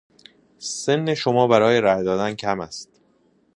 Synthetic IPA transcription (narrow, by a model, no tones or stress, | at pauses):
se̞nːeʃomɒːbæɾɒːje̞ɾæjd̪ɒːd̪æncʰæmæst̪